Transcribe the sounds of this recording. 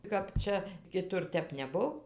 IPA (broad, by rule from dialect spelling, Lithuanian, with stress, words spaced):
kɐp ˈt͡ʃʲɛ kʲɪˈtʊr ˈtʲɛp nʲɛˈbʊw